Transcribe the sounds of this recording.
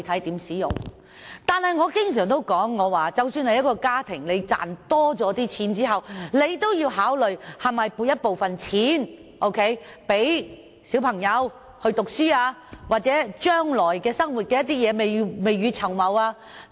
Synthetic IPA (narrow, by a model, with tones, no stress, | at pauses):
t̪ʰɐ˨˥jt̪iː˨˥msiː˨˥jʊ̰˨ŋ | t̪aː˨nhɐ˨jŋɔː˨˧kɪ˥ŋsœː˨˩ŋt̪o˥wkɔː˨˥ŋːɔː˨˧waː˨t͡sɐ˨wsyː˧nhɐ˨jɐ˥t̚kɔː˧kaː˥t̪ʰɪ˨˩ŋle˨˧jt͡sa̰ː˨nt̪ɔː˥t͡sɔː˨˥t̪iː˥t͡sʰiː˨˥nt͡siː˥ɦɐ˨wle˨˧jt̪o˥wjiː˧wɦaː˨˥wlɵ˨˩ɥhɐ˨˩mɐ˨jpuː˨t̚jɐ˥t̚po˨wfɐ˨nt͡sʰiː˨˥n | ʔo˥wkʰe˥jpe˨˥j | si˨˥wpʰɐ˨˩ŋjɐ˨˧w | hɵ˧ɥt̪ʊ˨k̚syː˥aː˧waː˨t̚t͡sɛː˨˥t͡ʃœː˥ŋlɔː˨˩jkɛː˧sɐ˥ŋwu˨t̚kɛ˧jɐ˥t̪̚iː˥jɛː˨˧me˨jme˨jɥyː˨˧t͡sʰɐ˨˩wmɐ˨˧waː˧